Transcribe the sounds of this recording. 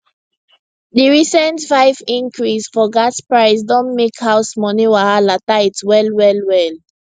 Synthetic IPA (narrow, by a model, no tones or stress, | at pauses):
diɹisə̃ntfaɪvĩŋkɹisfɔɡaspɹaɪsdɔ̃nmekhaʊsmɔniwaalataɪtwɛlwɛlwɛl